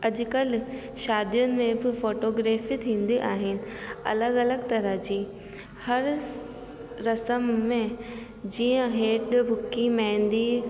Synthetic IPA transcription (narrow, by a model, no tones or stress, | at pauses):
ɐʄʊ̆kəl | ʃaːd̪ijʊnɪ̆mẽbɪfoːʈoːɡɾeːfit̪ʰĩːnd̪iʔaːɦɪnɪ̆ɐ̰ləɡɐləɡt̪ɐɾəɦd͡ʑiː | hɐɾ | ɾɐsəmːẽ | d͡ʑĩːə̃ɦeːɖbʱʊkːimãːɪnd̪i